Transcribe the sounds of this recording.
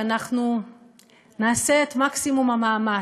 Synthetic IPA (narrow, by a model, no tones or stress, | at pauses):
anaχnu | naːseet̪maksimumamaːma